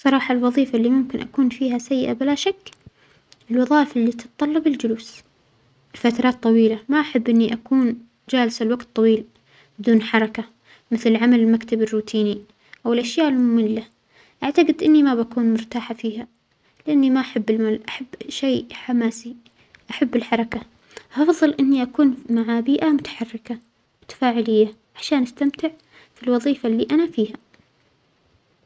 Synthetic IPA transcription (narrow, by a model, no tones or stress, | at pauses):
sˤːɑɾˤɑːħɑlwɑðˤiːfaʔlːimʊmkɪnʔa̰kuːnfiːhasajːɪʔabɪlaʃakː | ɪlwɑðˤɑːʔfʔɪlːit̪ɪ̥t̪t̪ˤɑlːɑbɪld͡ʒʊluːs | ɪlfat̪ɾˤɑːt̪ˤːɑwiːlamaʔaħabːʔɪnːiʔakuːn | d͡ʒaːlsalwaɡt̪ˤːɑwiːl | bɪd̪uːnħɑɾˤɑka | mɪθlʕamalɪlmakt̪abɪrːuːt̪ʰiːni | ʔawɪlʔaʃjaːʔɪlmʊmɪnlːa | ʔaʕt̪aɡɪd̪ʔɪnːimabakuːnmʊɾt̪aːħafiːɦa | lɪʔanːimaʔaħabːɪlmaːlʔaħabːʃeːħamaːsi | ʔaħabːɪlħɑɾˤɑka | ʔɑfðˤɨlʔɪnːiʔakuːnmaʕabiːʔamʊt̪ḁħɑrːɪka | mʊt̪ḁfaːʕɪlɪjːaʕaʃaːnʔast̪amt̪ɪʕ | filwɑðˤiːfalːiːʔanafiːha